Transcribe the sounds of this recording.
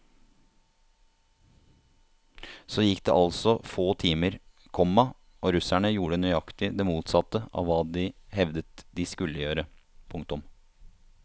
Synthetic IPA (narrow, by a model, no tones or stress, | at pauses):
soːjɪkːd̪ḛːʔɑlsɔfoːt̪ʰiːməɾ | kʰɔmːɑ | ʔoːɾʉsæɳəjuːɖənyʏɑkt̪ɪd̪ɛmuːt̪sɑt̪ːəʔɑ̰ʋʋɑːd̪ɪhɛʋd̪ət̪d̪ɪskʉlːəjøːɾəpʰʊŋt̪ʊm